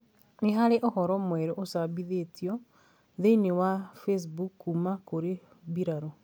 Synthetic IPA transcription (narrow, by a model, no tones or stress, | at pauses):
neɦaɾeʔohɔɾɔmwɛɾoʔosabiðetjɔ | ðenewafes̬bukːumakoɾe | biɾaɾɔ